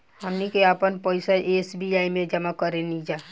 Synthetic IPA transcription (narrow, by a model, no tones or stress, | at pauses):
ɦəmnikeapənpəɪsaʔesbiaːimẽd͡ʒəmakəɾenid͡ʒaː